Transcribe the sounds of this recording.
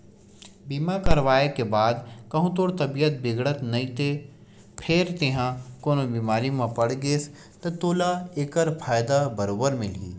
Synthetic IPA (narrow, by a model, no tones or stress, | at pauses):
biːmakəɾʋaːekebaːd̪kɐɦũt̪oːɽt̪ɐbijət̪̚bɪɡɽət̪nɐɦĩt̪e | pʰɪɾt̪eɦãkoːnobiːmaːɾimãpɐɽɡeːs | t̪ɐt̪oːlaeːkəɾpʰaːjd̪abəɾoːbəɾmɪlɦḭː